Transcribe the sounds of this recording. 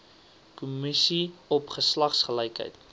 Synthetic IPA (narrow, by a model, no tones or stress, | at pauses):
kumisiɔpχəslɐχsχələjkɦə̰jt